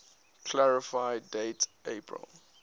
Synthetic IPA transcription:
kʰlaɹifaɪdetepʰɹə̰l

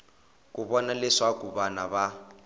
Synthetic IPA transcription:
kʼuβɔnalɪʂakubanaβa

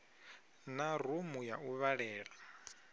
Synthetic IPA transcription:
nar̤umujauβaɺɛːɺa

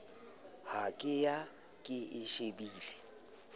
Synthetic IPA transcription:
hakʼɪja | kʼɪʔɪʃebiːlɛ

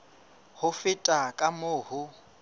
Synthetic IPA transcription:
hʊfɪtʼakʼamʊːhʊ

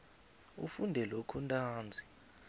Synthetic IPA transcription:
ṵfundʱɛlokʰuntʼaːnd͡zʱi̥

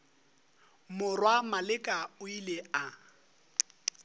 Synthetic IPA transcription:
mʊrwamalɪkʼaʊilea

